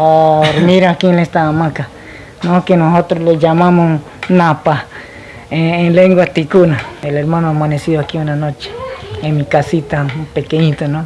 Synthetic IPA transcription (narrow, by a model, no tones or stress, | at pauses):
aoɾmĩɾakilest̪aamãka | nõkenõsot̪ɾolejamãmõ | nãpa | ẽẽleŋɡwat̪ikunãeleɾmãnõamanesiðoakiunãnõt͡ʃe̥emĩkasit̪ãpekeɲĩt̪onõ